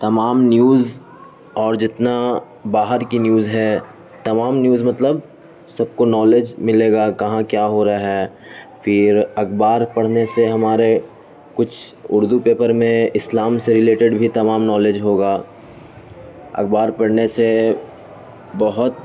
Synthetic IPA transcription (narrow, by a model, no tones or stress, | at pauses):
t̪ɐmaːmnjuːz | ɔːɾd͡ʒɪt̪na | baːɦəɾkinjuːzɦɛː | t̪ɐmaːmnjuːzmɐt̪ləb | sɐb̚konɔːleːd͡ʒmɪleːɡaːkɐɦãkjaːɦoɾaaɦɛː | fʰɪɾɐkbaːɾpɐɽ̤neseɦɐmaːɾe | kʊt͡ʃʰ | ʊɾd̪upeːpəɾmẽɪslaːmseɾɪleːʈɪɖbʱit̪ɐmaːmnɔːleːd͡ʒɦoːɡaː | ɐ̰k̚baːɾpɐɽnese | bɐɦʊt̪̚